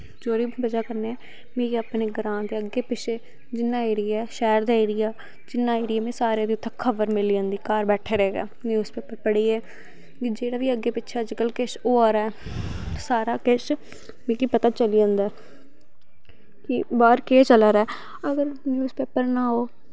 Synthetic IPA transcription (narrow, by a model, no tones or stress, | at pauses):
d͡ʒoːɾiːbəd͡ʒaːkəɾneːɛː | meːɡeːəpneːɡəɾãːnd̪eːəɡːeːpɪʃʰeː | d͡ʒɪnːaːeːɾɪjaːɛʃɛːɾd̪aːeːɾɪjaː | d͡ʒɪnːaːeːɾɪjaːmẽːsaːɾeːd̪iːʊt̪ʰːãkʰəʋəɾmɪliːãːnd̪iːkaːɾbɛːʈʰeːɾəɦeːɡa̰ːnjuːzpeːpəɾpəɽiːɛː | id͡ʒeːɽaːʋiːəɡːeːpɪːʃʰaːd͡ʒkəlkeːʃoːaːɾɛːɛt̪ːsaːɾaːkeːʃ | mẽːkiːpət̪aːt͡ʃəliːd͡ʒãːnd̪aː | kɪbaːɾkeːt͡ʃəlaːɾɛː | əɡəɾnjuːspeːpəɾnãːɦoː